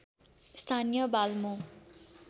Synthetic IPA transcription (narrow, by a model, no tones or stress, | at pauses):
st̪ʰanijʌbalmõ